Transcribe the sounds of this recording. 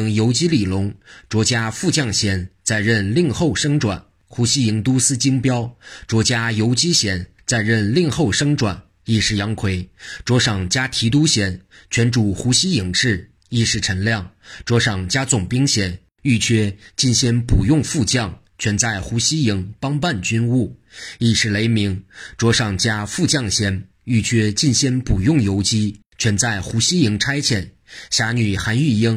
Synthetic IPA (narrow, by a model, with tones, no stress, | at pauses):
ŋjo˧˥ʊt͡ɕi˥li˨˩lʊ˧˥ŋʈ͡ʂwɔ˧˥t͡ɕja˥fu˥˧t͡ɕjɑ˥˩ŋɕjɛ˧˥nt͡sa˥˧ɪɻə˥˧nli˥˧ŋxo˥˩ʊʂɤ˥ŋʈ͡ʂwa̰˨˩˦n | xu˧˥ɕi˥i˧˥ŋt̪u˥sɹ̩˥t͡ɕi˥ŋpjɑ˥ʊʈ͡ʂwɔ˧˥t͡ɕja˥jo˧˥ʊt͡ɕi˥ɕjɛ˧˥n | t͡sa˥˧ɪɻə˥˧nli˥˧ŋxo˥˩ʊʂɤ˥ŋʈ͡ʂwa̰˨˩n | i˥˧ʂɻ̩˥˩jɑ˧˥ŋkʰwe˧˥ɪʈ͡ʂwɔ˧˥ʂɑ˨˩ŋt͡ɕja˥t̪ʰi˧˥t̪̬u˥ɕjɛ˧˥nt͡ɕʰɥɛ˧˥nʈ͡ʂu˨˩xu˧˥ɕi˥i˧˩ŋʈ͡ʂɻ̩˥˩ | i˥˧ʂɻ̩˥˩ʈ͡ʂʰə˧˥nljɑ˥˩ŋʈ͡ʂwɔ˧˥ʂɑ˨˩ŋt͡ɕja˥t͡sʊ˨˩ŋpi˥ŋɕjɛ˧˥n | y˥˩t͡ɕʰɥɛ˥t͡ɕi˥˩nɕi˧˥npu˨˩jʊ˥˧ŋfu˥˧t͡ɕjɑ˥˩ŋ | t͡ɕʰɥɛ˧˥nt͡sa˥˩ɪxu˧˥ɕi˥i˧˥ŋpɑ˥ŋpa˥˧nt͡ɕy˥nu˥˩i˥˧ʂɻ̩˥˩le˧˥ɪmi˧˥ŋʈ͡ʂwɔ˧˥ʂɑ˨˩ŋt͡ɕja˥fu˥˧t͡ɕjɑ˥˩ŋɕjɛ˧˥n | y˥˩t͡ɕʰɥɛ˥t͡ɕi˥˩nɕi˧˥npu˨˩jʊ˥˩ŋjo˧˥ʊt͡ɕi˥ | t͡ɕʰɥɛ˧˥nt͡sa˥˩ɪxu˧˥ɕi˥i˧˥ŋʈ͡ʂʰa˥ɪt͡ɕʰjɛ˨˩n | ɕja˧˥ny˨˩xa˧˥ny˥˩ji˥ŋ